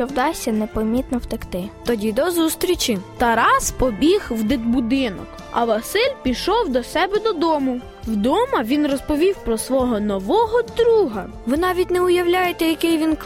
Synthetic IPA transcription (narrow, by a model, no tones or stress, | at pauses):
ɔwd̪ɑsʲɐnɛpɐmʲit̪nɔwt̪ekt̪ɪt̪ɔdʲid̪ɔzust̪ɾʲit͡ʃɪt̪ɐɾɑspɔbʲixwd̪ɪd̪bʊd̪ɪnɔ̰k | ɐ̰ʋɐsɪlʲpʲiʃɔwd̪ɔsɛbɛd̪ɔd̪ɔmʊ | wd̪ɔmɐʋʲinrɔspɔʋʲiwpɾɔsʋɔɦɔnɔʋɔɦɔd̪ɾuɦɐ | ʋɪnɑʋʲit̚ʲnɛʊjɐwlʲajet̪ɛjɐkɪjʋʲink